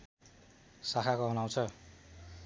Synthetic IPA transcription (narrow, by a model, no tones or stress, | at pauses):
sakʰakoɦʌnaw̃t͡sʰʌ